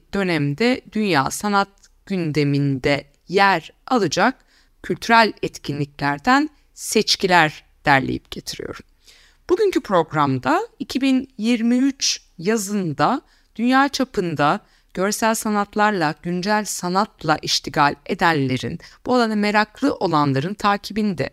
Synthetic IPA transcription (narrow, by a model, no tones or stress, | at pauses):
d̪̥ø̞næmd̪ɛd̪ynja̰ːsanat̪̚ | ɟ̥ynd̪e̞mind̪ɛ | jæɾ | alˠɯd͡ʒak̚ | cʰːylʲt̪ʰyɾælʲɛt̪cʰinlʲiclʲæɾd̪æn | sɛt͡ʃcʰilʲæɾ | d̪̥æɾlʲḛjḭp̚ɟ̥e̞t̪ʰiɾḭjo̞̰ɾum | b̥uɟyncʰypʰɾo̞ɡɾamd̪aicʰibinjiɾmiyt͡ʃ | jazɯnd̪a | d̪̥ynjaːt͡ʃʰapʰɯnd̪a | ɟ̥ø̞ɾsælʲsanat̪lˠaɾlˠaɟ̥ynd͡ʒælʲsanat̪lˠaʔiʃt̪ʰiɡalʲe̞d̪ænʲlːʲe̞ɾḭnb̥ualˠaname̞ɾaklˠɯʔo̞lˠanlˠaɾɯnt̪ʰaːcʰibind̪ɛ̰